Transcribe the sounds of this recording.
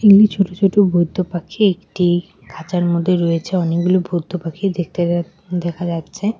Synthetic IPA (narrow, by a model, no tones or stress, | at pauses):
iŋlit͡ɕʰoʈot͡ɕʰoʈobʱod̪ʱːopakʰiekʈi | kʰat͡ɕaɾmod̪ʱːeɾojet͡ɕʰeɔnekɡulobʱod̪ʱːopakʰid̪ekʰt̪e | d̪ɛkʰad͡ʑatːɕʰe